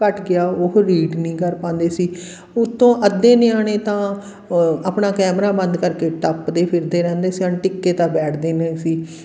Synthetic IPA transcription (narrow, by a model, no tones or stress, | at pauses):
əʈɡɪaːʊkɾiːɖnĩːkəɾpãːnd̪eːsiː | ʊt̪ʰːõːʔəd̪ːeːneaːneːt̪ãː | apɳaːkɛːmɾaːbənd̪kəɾkeːʈəpd̪eːpʰɪɾd̪eːɾɛ̃ːnd̪eːsiənʈɪkːeːt̪ãːbɛːʈʰd̪eːneːsiː